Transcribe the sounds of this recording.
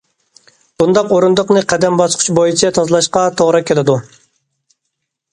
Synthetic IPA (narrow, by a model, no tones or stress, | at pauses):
b̥und̪ɑqoɾund̪əqnɨqʰæd̪ɛmbɑsqʰʊ̥t͡ʃbojit͡ʃʰɛt̪ʰɑzlˠɑʃqɑt̪ʰoʁɾɨkʲʰelɪd̪u